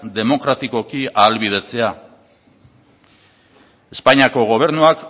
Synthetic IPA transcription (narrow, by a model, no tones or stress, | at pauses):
d̪e̞mo̞kɾat̪iko̞kiaːlβið̞e̞t͡se̞a | e̞spaɲiako̞ɣ̞o̞β̞e̞ɾnuak